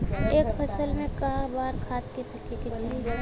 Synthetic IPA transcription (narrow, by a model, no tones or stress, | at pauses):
eːkpʰɐsəlmẽkaːbaːɾkʰaːt̪kepʰɐʈeket͡ʃʰiː